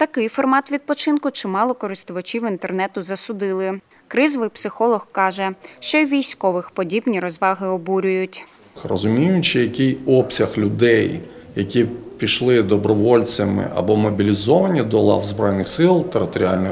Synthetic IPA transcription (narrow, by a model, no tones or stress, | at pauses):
t̪ɐkɪjfɔrmɑt̪ʋʲid̪̚pɔt͡ʃɪnkʊt͡ʃɪmɑlˠɔkɔɾɪst̪ʊʋɐt͡ʃʲiwint̪ernɛt̪ʊzɐsʊd̪ɪlˠɪ | kɾɪzʋɪjpsɪxɔlˠɔxkɑʒɛʃt͡ʃɔʋʲijsʲkɔʋɪxpɔdʲibnʲiɾɔzʋɑɦɪɔbuɾʲʊjʊtʲ | rɔzʊmʲijʊt͡ʃɪjɐkɪjɔpsʲɐxlʲʊd̪ɛj | jɐkʲipʲiʃlˠɪd̪ɔbɾɔʋɔlʲt͡sʲɐmɪ̰ʔɐ̰bɔmɔbʲilʲizɔʋɐnʲid̪ɔlˠɑ̰wzbɾɔjnɪxsɪlˠt̪eɾɪt̪ɔɾʲia̰lʲnɪ